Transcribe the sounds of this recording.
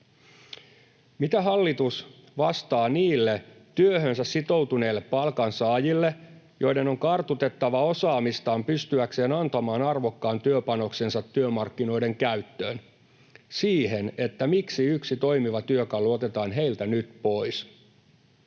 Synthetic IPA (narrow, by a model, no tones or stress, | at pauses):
mit̪æɦɑlːit̪us | ʋɑst̪ɑːniːlːet̪yøɦønsæssit̪o̞wt̪une̞ːlːe̞pːɑlkɑnsɑːjilːe | jo̞ide̞no̞ŋkɑrt̪ut̪e̞t̪ːɑʋɑo̞sɑːmist̪ɑːmpyst̪yækse̞ːnɑnt̪ɑmɑːnɑrʋo̞kːɑːnt̪yøpɑno̞kse̞nsɑt̪ːyømɑrkːino̞ide̞ŋkæɥt̪ːø̞ːn | siːɦe̞ne̞t̪ːæmiksiyksit̪o̞ijmiʋɑt̪yøkɑlːuot̪e̞t̪ɑːnɦe̞ilt̪ænyt̪po̞ijs